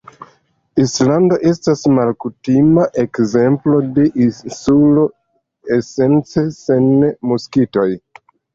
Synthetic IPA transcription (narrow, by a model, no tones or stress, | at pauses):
islando̞ʔe̞stasmalkutimaʔe̞kze̞mplo̞de̞ʔinsulo̞ | ese̞nt͡sese̞nmuskito̞j